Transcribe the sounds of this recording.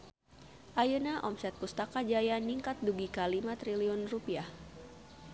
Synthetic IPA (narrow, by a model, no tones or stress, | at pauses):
ʔajənaʔɔmsɛt̪̚pust̪akad͡ʒajaniŋkat̪̚duɡikalimat̪ɾiliɔnrupiah